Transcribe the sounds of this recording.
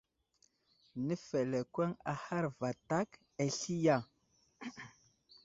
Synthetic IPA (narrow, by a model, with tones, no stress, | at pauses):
nə˦fe˨le˨kwe˦ŋa˨ha˦ɾva˨ta˦k | e˨ɬi˦ja˦˨